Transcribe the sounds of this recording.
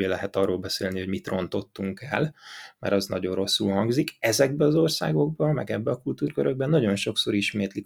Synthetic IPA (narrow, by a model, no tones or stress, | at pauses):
eːlɛɦɛt̪ɒrːoːlbɛseːlniho̞ɟmit̪ro̞nt̪o̞t̪ːuŋkɛ̰lmɛ̰ɾɒznɒ̰ɟo̞nro̞sːulhɒŋɡzikɛzɛɡ̚bɛɒzorsa̰ːɡo̞ɡbɒmɛ̰ɡɛbːɛɒkult̪uːrkøɾøɡ̚bɛnːɒɟo̞nʃo̞kso̞ɾiʃmeːt̪li